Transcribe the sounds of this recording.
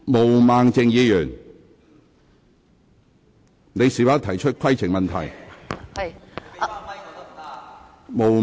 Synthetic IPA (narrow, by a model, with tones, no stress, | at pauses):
mo˨˩wmaː˨˧ŋt͡sɪ˧ŋjiː˨˧jyː˨˩ŋ | ne˨˧jsiː˨waː˨˥t̪ʰɐ˨˩jt͡ʃʰɵ˥t̚kʰwɐ˥jt͡sʰɪ˨ŋmɐ˨nt̪ʰɐ̰˨˩j | mo˨˩w